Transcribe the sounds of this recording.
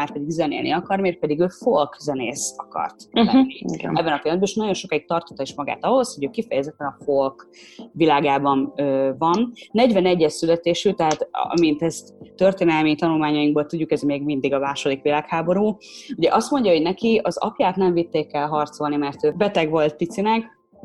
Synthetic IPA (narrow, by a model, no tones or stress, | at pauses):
maːrpɛd̪iɡzɛnḛːlnḭɒkɒrmeːrpɛd̪iɡøːfo̞lkzɛneːsɒkɒ̰rt̪lɛːḭɛbːɛnɒpilmɛd̪bɛniʃnɒɟjo̞nʃo̞kaːik̚t̪ɒrt̪o̥t̪ːɒiʃmɒɡa̰ːt̪ɒɦo̞sho̞ɟøːkifɛjɛzɛt̪ːɛnɒfo̞lkʋilaːɡaːbɒnøːvɒnːɛɟʋɛnɛɟːɛʃsylɛt̪eːʃyt̪ɛɦaːt̪ɒ̰mint̪ɛz | t̪ørt̪eːnɛlmit̪ɒnulmaːɲɒjiŋɡbolt̪uɟːukɛzmeːɡmind̪iɡɒmaːʃo̞d̪ikʋilaːkhaːbo̞ɾuː | uɟɛʔɒst̪mo̞ɲɟɒɦo̞ɟnɛkiɒzɒ̰pjaːt̪nɛɱvit̪ːeːkːɛlɦɒrt̪so̞lnimɛrt̪øːbɛt̪ɛɡʋo̞lt̪ːit̪sinɛk